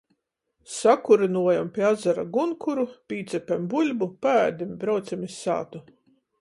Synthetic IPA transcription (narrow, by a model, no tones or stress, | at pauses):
sakuɾinuɔjampʲiazaɾa̰ɡunkuɾupʲiːt̪sʲɛpʲɛmbulʲbupaæːd̪ʲimbɾawt̪sʲɛmʲisːa̰ːt̪u